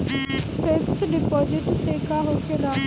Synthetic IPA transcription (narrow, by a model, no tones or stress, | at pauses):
feːksɖɪpɔːd͡ʒɪʈseːkʰaɦoːkeɾaː